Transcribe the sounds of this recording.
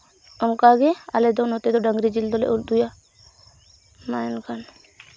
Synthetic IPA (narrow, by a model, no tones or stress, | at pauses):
ɔŋkaɡɛa̰lɛd̪ɔnɦɔt̪ɛd̪ɔɖəŋɡɾid͡ʒild̪ɔlɛ̰ʔuld̪uja | mankan